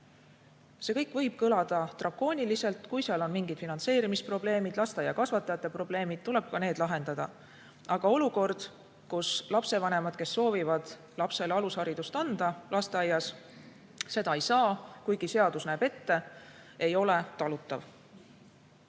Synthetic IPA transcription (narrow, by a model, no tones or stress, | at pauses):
se̞kɤjkːˑvɤ̞jb̥̚kɤlɑd̪̥ɑt̪rɑkːo̞ːnʲilise̞lt̪ˑkujseɑlo̞nmiŋɡ̥id̪̥finɑnt̪se̞ːɾimispro̞ble̞ːmid̪̥lɑst̪ɑjɑkɑsvɑt̪ːˑɑjɑt̪ːˑe̞pro̞ble̞ːmid̪̥̚t̪ule̞b̥̚kɑne̞ːd̪̥lɑɦe̞nd̪ɑd̪̥ɑ̰ | ʔɑɡ̥ɑo̞luko̞rd̪̥ | kuslɑpse̞vɑne̞mɑd̪̥ke̞sːo̞ːvivɑd̪̥ | lɑpse̞lɑlushɑɾid̪̥ust̪ɑnd̪̥ɑlʔɑst̪eɑjːɑs | se̞d̪̥ɑejsɑːkujɡ̥ise̞ɑd̪̥usnæːb̥e̞t̪ːe̞e̞jo̞le̞t̪ɑlut̪ːˑɑv